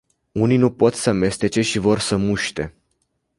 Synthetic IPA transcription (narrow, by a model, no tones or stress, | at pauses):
uninupo̞t̪səame̞st̪e̞t͡ʃe̞ʃivo̞rsəmuʃt̪e̞